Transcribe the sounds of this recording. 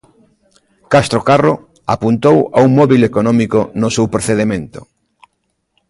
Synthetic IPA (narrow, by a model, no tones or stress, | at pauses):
kast̪ɾokaro | a̰punt̪owauŋmɔβilekonɔ̃mikonʊsewpɾoθeðemẽnt̪ʊ̥